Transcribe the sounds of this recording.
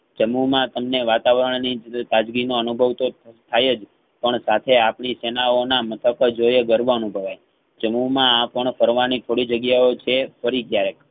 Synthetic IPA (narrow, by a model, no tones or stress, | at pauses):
d͡ʒəmumãt̪əmneʋat̪aʋəɾəɳnid͡ʒt̪ad͡ʒɡinoənubʱəʋt̪ot̪ʰajed͡ʒ | pəɳsat̪ʰeapɳisenaonamət̪ʰəkd͡ʒojeɡəɾʋoənubʱəʋaj | t͡ʃəmumããpəɳfəɾʋanit̪ʰoɽid͡ʒəɡjaot͡ʃʰefəɾikjaɾek